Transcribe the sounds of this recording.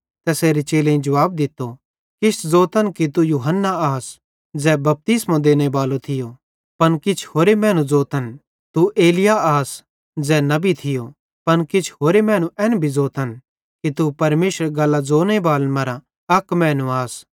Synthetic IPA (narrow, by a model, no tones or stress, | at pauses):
t̪ɛːseːɾet͡ʃeːlẽĩd͡ʒɐʋaːb̚d̪ɪt̪ːo | kɪt͡ʃʰd͡zoːt̪ənkit̪̬ujuːɦənːaaːs | d͡zɛbɐp̚t̪ɪsmãd̪eːñebaːlot̪ʰɪjo | pɐnkɪt͡ʃʰhoːɾemɛ̃ːñũd͡zoːt̪ən | t̪uʔeːlɪjaaːs | d͡zɛnɐbʱit̪ʰɪjo | pɐnkɪt͡ʃʰɦoːɾemɛ̃ːñũʔɛːnbʱid͡zoːt̪ən | kit̪upɐɾmeːʃɾɡɐlːad͡zoːnebaːlmɐɾa | ɐkmɛ̃ːnũaːs